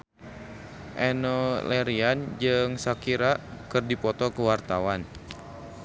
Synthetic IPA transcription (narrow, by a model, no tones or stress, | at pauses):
ʔɛnɔlɛɾiand͡ʒɨŋsakiɾakɨrdipɔt̪ɔkəwart̪awan